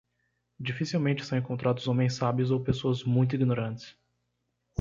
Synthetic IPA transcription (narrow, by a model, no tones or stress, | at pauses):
d͡ʒifisiwmẽnt͡ʃɪ̥sɐ̃w̃ẽŋkõnt̪ɾad̪ʊzõmẽj̃sabiʊzowpesoɐzmũj̃t̪̬ʊiɡinoɾɐ̃t͡ʃɪ̥s